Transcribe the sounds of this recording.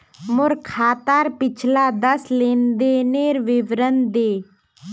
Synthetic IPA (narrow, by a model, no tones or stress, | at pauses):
mʊɾkʰaːt̪aːɾpɪt͡ʃʰlaːd̪əsleːnd̪eːneːɾʋɪʋɾənd̪eː